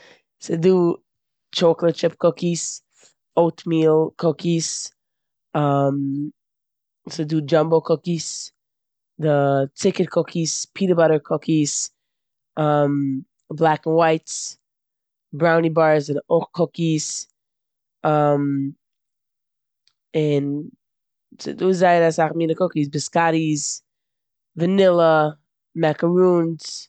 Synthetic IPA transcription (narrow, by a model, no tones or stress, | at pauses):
sodu | t͡ʃʰoʊklət̚t͡ʃʰɪp̚kʰʊkiz̥ | oʊtmilˠkʰʊkiz̥ | ʌ̃m | sodud͡ʒʌ̃mbl̩ˠkʰʊkiz̥ | ðətʰɪkɨt̚kʰʊkiz̥pʰiɾəbʌɾə˞kʰʊkiz̥ | ʔʌ̃m | blˠakɪnwaɪt | bɾaʊnibaɹzɪɾʔoχkʰʊkis | am | ɪn | sduːzaɪəɾasaχmiːnəkʊkis̬bɪskaɾis | vənɪlˠə | mɛkəɹuns